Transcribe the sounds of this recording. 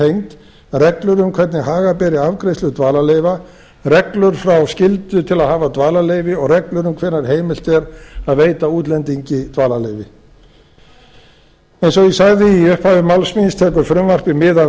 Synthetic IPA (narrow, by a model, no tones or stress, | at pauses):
ejnt̪ | rɛklʏɾʏmkʰvɛt̪nɪhaːɣapɛːɾɪavkɾejslʏt̪vaːlalejva | rɛklʏɾ̥fɾawscɪlt̪ʏt̪ʰɪlaðhaːvat̪vaːlaleːjvɪɔɣrɛklʏɾʏmkʰvɛnaɾ̥ɦeːjmɪl̥t̪ɛɾaðveːjt̪auːt̪lɛnt̪iɲcɪt̪vaːlalejvɪ | ɛejnsɔɣisaɣðɪiʏhphaːvɪmawlsminst̪ʰɛːkʏɾfɾʏmvar̥pɪmɪːða